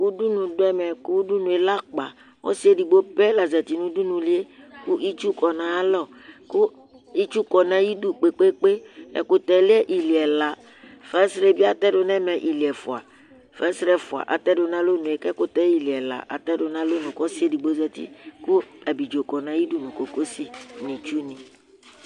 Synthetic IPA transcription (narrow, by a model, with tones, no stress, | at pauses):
u˦du˦nũ˨dʊ˦ɛ˦mɛ˨ku˦du˦nũ˨e˨la˦k͡pa˨ | wɔ̰˦si˦e˦di˨ɡ͡bo˦pɛ˦la˨zɛ˨t̪i˨nũ˦du˦nũ˨li˦e˦ | ku˦ʔi˦t͡ʃu˦kɔ˨nã˨a˦lɔ˦ | ku˦ | i˦t͡ʃu˦kɔ˨nã˨ji˦du˦k͡pe˨k͡pe˦k͡pe˦ɛ̰˨kʊ˦t̪ɛ˨lɛ˦ʔi˨li˨ɛ˨la˨ | fɛ˦sɾɛ˦bi˦a˦t̪ɛ˦dʊ˨nɛ̃˦mɛ̃˨ʔi˨li˨ɛ˨fu˨a̰˨ | fɛ˦sɾɛ˦fu˨a̰˨ʔa˨t̪ɛ˦dʊ˨nã˦lo˦nũ˨e˨kɛ˦kʊ˦t̪ɛ˦i˨li˨ɛ˨la̰˨ʔa̰˨t̪ɛ˦dʊ˨˦nã˦lo˦nũ˨kɔ˦si˦e˦di˨ɡ͡bo˦zɛ˨t̪ḭ˦ku˦a˨bi˨d͡ʒo˨kɔ˨nã˨˦ji˦du˦nũ˨ko˨ko˦si˨nĩ˨t͡ʃu˦nĩ˨